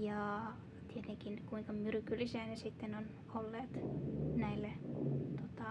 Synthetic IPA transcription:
jɑː | t̪iet̪eŋkinkuiŋkɑmyrkylːiseːnesit̪ːenon | olːeːt̪næilːet̪ot̪ɑ

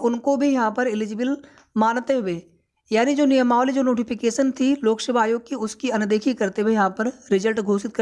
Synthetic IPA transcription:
ʊnkobʱijɐɦãpɐɾɪlɪd͡ʒɪbɪl | maːnt̪eɦʊʋeː | jaːnid͡ʒoːnɪjəmaːʋlid͡ʒoːnoːʈɪpʰɪkeːʃənt̪ʰiloːksəbʱaːjoːɡ̚kiʊskiɐnd̪eːkʰikɐɾt̪eejɐɦãpɐɾɾɪzəlʈɡʱoːsɪt̪̚kɐ

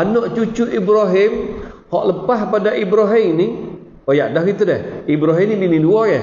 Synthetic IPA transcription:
anɔʔt͡ʃut͡ʃuʔibɾaɦɪmhɔʔləpahpadaʔibɾaɦɪmni | ojaʔdahkit̪udɛhibɾaɦɪmniminiluɔjɛ

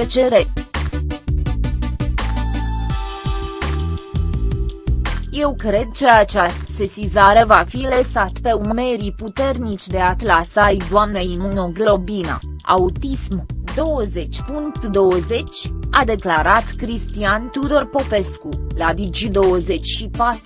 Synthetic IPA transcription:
et͡ʃe̞ɾe | je̞wkɾe̞d̪̚t͡ʃeat͡ʃast̪sesizaɾe̞vafiləsat̪pe̞unme̞ɾiput̪e̞rnit͡ʃʲd̪e̞at̪lasajd̪oamneimonoɡllo̞bina̰ | a̰ut̪ismd̪o̞wəze̞t͡ʃʲpuŋkt̪d̪o̞wəze̞t͡ʃʲad̪e̞klaɾat̪kɾist̪iant̪ud̪o̞rpo̞pe̞skulad̪id͡ʒid̪o̞wəze̞t͡ʃʲʃipat̪ɾu

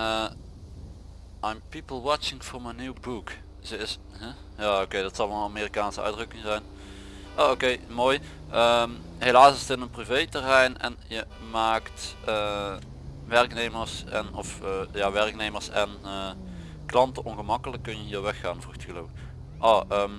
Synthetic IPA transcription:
ə | ajmpipəlˠwɑt͡ʃɪŋfɔɹməniwbuk | z̥əɪs | ɦɛ | jaːokejdɑtsɑlˠvɑnnameːrikaːnsəœ̰ɥdrɵkɪŋzɛjn | ʔoːokejmoːj | ʔəm | ɦelaːsɪstɪnənprivejtərɛjnɛ̰njə | maːktə | ʋɛrkneːməɹsɛ̰nɔfjaːʋɛrk̚nejməɹsɛnəː | klɑntəʔɔnɣəmɑkələkːɵnjəiːʋɛxːaːnvruxtəɣəloːvk | ʔoːʔəːm

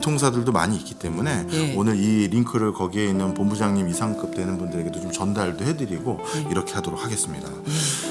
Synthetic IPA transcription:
tʰoŋs̬ʰadɯɭdoma̰ɲiːk͈i̥t͈e̞mune̞onɯɾiɾiŋkʰɯɾɯɭkʌɡiɦe̞inːɯnpombud͡ʑaŋɲimisʰaŋk͈ɯp̚t͈we̞nɯnbundɯɾe̞ɡe̞dot͡ɕomt͡ɕʌndaɭdohe̞dɯɾiɡo | iɾʌkʰe̞ɦadoɾok̚haɡe̞s͈ɯmɲida̰

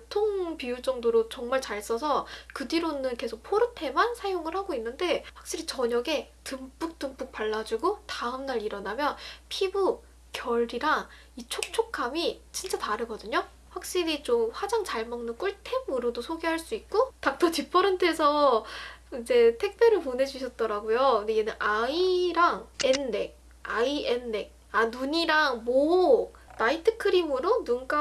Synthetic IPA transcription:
tʰoŋpijut͡ɕ͈ʌŋdoɾot͡ɕʌŋmaɭt͡ɕaɭs͈ʌsʰʌkɯdiɾonɯnke̞sʰok̚pʰoɾɯntʰe̞mansʰajoŋɯɭhaɡoinːɯnde̞ɸwak̚ɕ͈iɾit͡ɕʌɲʌɡe̞ | tɯmp͈uk̚t͈ɯmp͈uk̚paɭːad͡ʑuɡotaɯmnaɾiɾʌnamjʌnpʰibu | kjʌɭɾiɾa | it͡ɕʰok̚t͡ɕʰokʰamit͡ɕint͡ɕ͈ataɾɯɡʌdɯɲo | ɸwak̚ɕ͈iɾit͡ɕomɸwad͡ʑaŋt͡ɕaɭmʌŋnɯnk͈uɭtʰemɯɾodosʰoɡeɦaɭs͈uik̚k͈otak̚t͈ʌt͡ɕip͈ʰʌɾɯntʰe̞sʰʌ | ind͡ʑe̞tʰe̞k̚p͈ʰjeɾɯɭpone̞d͡ʑuɕʰʌt̚t͈ʌɾaɡojoɯndeenɯnʔaiɾaŋenːe̞k̚ | aienːe̞k̚ | anuɲiɾaŋmo | naitʰɯ̥kʰɯɾimɯɾonunk͈a

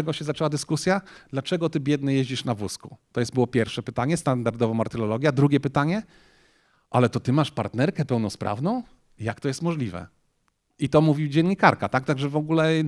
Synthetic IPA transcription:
ɛɡɔɕɛzat͡ʂɛwad̪ɘskusʲjad̪̥lat͡ʂɛɡɔt̪ɘbʲjɛd̪ɲɛjeʑd͡ʑiʂnavwusku̥t̪ɔjɛsbɘwɔpʲjɛɾfʂɛpɘt̪aɲɛst̪and̪aɾd̪ɔvɔmaɾt̪ɛlɔlɔɡʲjad̪ɾuɡʲjɛpɘt̪aɲɛ | ʔalɛt̪ɔt̪ɘmaʂpaɾt̪nɛɾkɛpɛwnɔspɾʔa̰vnɔ̃w̃ | jakt̪ɔjɛst̪mɔʐlʲivɛ̰ | it̪ɔmuvʲid͡ʑɛnʲɲːikaɾkat̪ak̚t̪aɡʐɛvɔɡulɛ

